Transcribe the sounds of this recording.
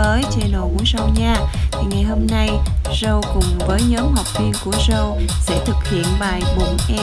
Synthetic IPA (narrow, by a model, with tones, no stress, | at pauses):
əː˨˦jt͡ɕe˧nɗo˨˩mṵ˨˩˦əjzə˧wɲaː˧t̪ʰi˨˩ŋa˨˩jɦo˧mna˧jzə˧wkʊ˨˩ŋ͡mvəː˨˦jɲɔː˨˦mɦa˨˩wk͡p̚vi˧ənku˧˩əzə˧wsɛ̰˧˥t̪ʰɨ˨˩k̚hḭ˧˨ənɓaː˨˩jɓʊ˨˩ŋʔɛ˧